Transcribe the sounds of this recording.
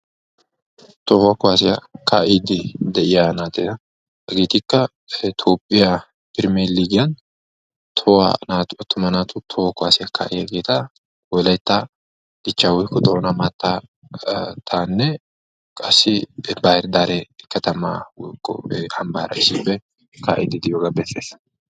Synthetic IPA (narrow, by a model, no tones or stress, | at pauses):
t̪owɐkʊaːsɪjɐkaːʔid̪ɪd̪ɛʔɪjanaːt̪eɐ | ɐɡeːt̪ɪkːɐ | t̪ʰoːpʼːɪja | b̥ɪɾmeːlːiɡɪjɐn | t̪ʰɔwa̰naːt̪ʊɔt̪ːʊmɐnaːt̪ʰʊt̪ʰɔwɐkʊaːsɪjɐkʰa̰ːʔɪjɐɡeːt̪ɐ | wɔlɐjt̪ːa | d̪̥ɪt͡ʃːaːwɔjkːɔd̪ɔɔnɐmaːt̪ːa | t̪ʰaːnːɛ | kʼɐsːɪbahɪɾd̪aːɾɛkɐt̪ɐma̰wɔjkːɔ̰ɐmbaːɾɐ̰ɪsɪbːɛ | ka̰ːʔḭd̪ɪd̪ɪjoːɡabɛsːeːs